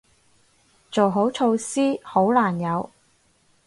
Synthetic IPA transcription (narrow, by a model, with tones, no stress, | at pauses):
t͡so˨˩wɦo˨˥wt͡ʃʰo˧wsiː˥ho˨˥wlaː˨˩njɐ˨˧w